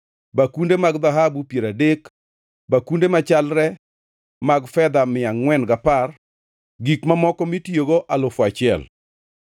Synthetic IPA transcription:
bakundemaɡd̪aɦabupjeɾadek | bakundemat͡ʃalɾɛ | maɡfɛd̪amɪaŋːwɛnɡapar | ɡikmamɔkɔmitjoɡoʔalʊfat͡ʃɪɛ̰l

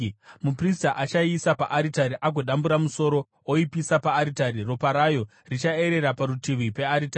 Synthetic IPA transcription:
mupristaʔat͡ʃaisapa̰ʔaɾitaɾiʔaɡo̞ɗambuɾamuso̞ɾo̞ | oipisapaːɾitaɾiro̞paɾajo̞ | rit͡ʃae̞ɾe̞ɾapaɾutiʋipe̞aɾitai

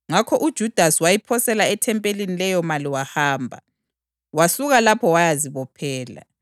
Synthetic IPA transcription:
ŋakʰɔʔud̥ʒ̥ʱud̥ʱasiwajipʰɔsɛlaɛtʰɛmpʼelinilɛjɔmaliwahaːmbʱa̰ | wasuɣalapʰɔwajaziβɔpʰɛːla̰

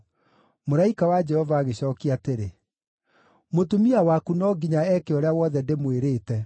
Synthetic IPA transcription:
moɾaikawad͡ʒɛhɔvaːɣeɕɔːkiateɾe | motumiawakunɔɡiɲaɛkeɔɾeawɔðɛndemweɾeːtɛ

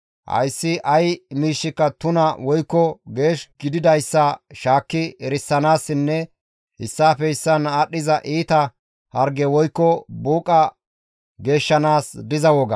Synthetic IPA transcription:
hɐ̰jsːɪʔɐjmiːʃːɪkːɐt̪ʊnɐwɔjkːɔɡe̞ːʃɡɪd̪ɪd̪ɐjsːɐʃaːkːɪɛɾɪsːɐnaːsːɪnːɛ | hɪsːaːfɛɪsːɐnɐɗːɪzɐʔiːt̪ɐ | hɐɾɡɛwɔjkːɔbuːkʼːɐ | ɡe̞ːʃːɐnaːsd̪ɪzɐwɔɡɐ

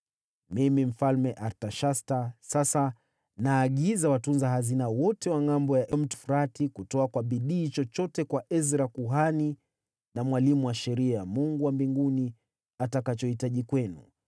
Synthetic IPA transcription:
mimim̩falmɛʔaɾtaʃastasasa | naːɠizawatunzaɦazinawɔtɛwaŋambɔjaʔɛm̩tu̥fuɾatikutɔakwaɓiɗiːt͡ʃɔt͡ʃɔtɛkwaʔɛzɾakuɦani | namwalimuwaʃɛɾiamuŋɡuwambiŋɡuni | atakat͡ʃɔhitaʄikwɛnṵ

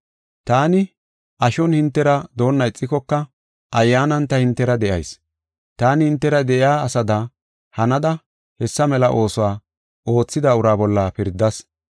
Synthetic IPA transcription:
t̪aːnɪ | ʔɐʃɔnhɪnt̪ːɛɾɐd̪o̞ːnːɐɪt͡sʼːɪkɔkːɐ | ʔɐjːaːnɐnt̪ɐhɪnt̪ːɛɾɐd̪ɛʔɐ̰js | t̪aːnɪhɪnt̪ːɛɾɐd̪ɛʔɪjaːɐsɐd̪ɐ | hɐnɐd̪ɐ | hɛsːɐmɛlɐʔo̞ːsɔwaː | ʔo̞ːt͡sːɪd̪ɐʊɾaːbɔlːɐpɪɾd̪ːɐs

